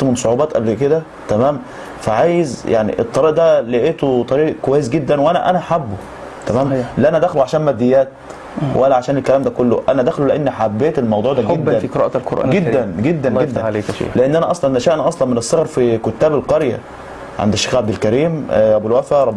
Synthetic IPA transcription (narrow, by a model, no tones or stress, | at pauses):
mensˤoʕuːbɑːt̪ʔæblked̪æ | t̪æmæːm | fæʕaːjezjaʕnḭʔet̪ˤːɑɾiːʔd̪æleʔeːt̪ot̪ˤɑɾiːʔkowæjːes̬ɡed̪ːænwʔænæ̰ʔænæħabːo | t̪æmæːmleʔænæd̪æxluʕaʃæːnmæd̪ːejːæːt̪ | weʔææʕaʃæːnelkælæːmd̪ækolːo̰ʔænæd̪æxluleʔenːħabːeːt̪elmɑwd̪ˤuːʕd̪æɡed̪ːænqɾæ̰ʔlqoɾʔæ̰ɡed̪ːænɡed̪ːænɡed̪ːæn̰leʔenːʔænæʔɑsˤlɑnnæʃæːʔænæʔɑsˤlɑnmenesːɑɣɑɾˤfikot̪ːæːbelqɑɾjæ̰ | ʕa̰nd̪æʃːeːxɣʕabd̪elkæɾiːmʔæbulwæfæɾˤɑ